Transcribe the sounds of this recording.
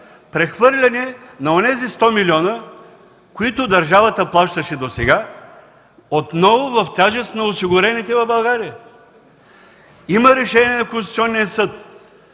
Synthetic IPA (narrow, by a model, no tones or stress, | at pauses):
pɾɛxvɤɾlʲɐnɛnɐonɛzist̪ɔmilʲiɔnə | koit̪ʊd̪ɐɾʒavət̪əplˠaʃt̪əʃɛd̪osɛɡa | ot̪nɔvʊvɐft̪ʲaʒɛst̪nɐosiɡʊɾɛnit̪ɛvɐvbɐlˠɡaɾijə | iməɾɛʃɛniɛnɐkõnsi̥t̪iɔnːijəsɤt̪